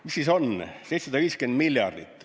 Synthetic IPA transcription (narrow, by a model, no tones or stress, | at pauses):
misisonsejt̪sɑd̪ɑʋiːskend̪miljɑ̰rd̪it̪ː